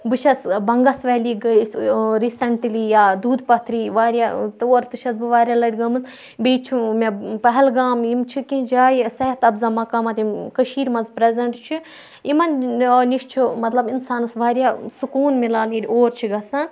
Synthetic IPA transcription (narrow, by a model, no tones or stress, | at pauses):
bɨʃʰɐsbɐŋɡɐsʋɐɦliːɡsɾiːsɐɳʈliːjaːd̪uːd̪pɐt̪ʰɾiːʋaːɾʲjat̪oːɾt̪ɨʃʰɐsbɨʋaːɾʲjalɐɽʲɡɐmɨn | biːt͡ʃʰimepɐɦɛlɡaːmimt͡ʃʰikĩnd͡ʒaːjisɐɦɐt̪ɐbzamɐkaːmɐt̪imkɐʃiːɾmɐnzpɾezʲɐɳʈt͡ʃʰi | imɐnniʃt͡ʃʰimɐt̪lɐbinsaːnɐsʋaːɾʲjaːsukuːnmilaːnidʲoːɾt͡ʃʰiɡɐsan